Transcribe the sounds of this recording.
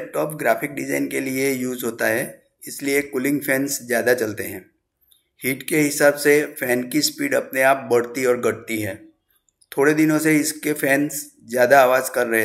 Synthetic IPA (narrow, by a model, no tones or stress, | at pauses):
pʈɔːpɡɾaːfɪk̚ɖɪza̰ːɪnkeliejuːzɦoːt̪aɦɛː | ɪsliekʊlɪ̃ŋɡfʰɛ̃ːnszjaːd̪at͡ʃɐlt̪eɦɛ̃ː | hiːʈkeɦɪsaːbsefʰɛːnkispiːɖɐpneaːp̚bɐɽt̪iɔːɾɡɐɽ̚t̪iɦɛː | t̪ʰoːɽed̪ɪnõseɪskefʰɛːns | zjaːd̪aːʋaːzkɐɾːɐɦe